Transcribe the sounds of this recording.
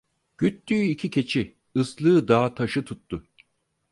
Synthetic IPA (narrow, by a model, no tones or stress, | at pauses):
ɟ̥yt̪ːyicʰicʰe̞t͡ʃʰi | ɯslˠɯːd̪aːt̪ʰaʃɯt̪ʰut̪ːʊ